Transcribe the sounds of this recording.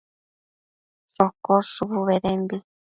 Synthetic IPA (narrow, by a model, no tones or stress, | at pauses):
sokosuβuβeðembi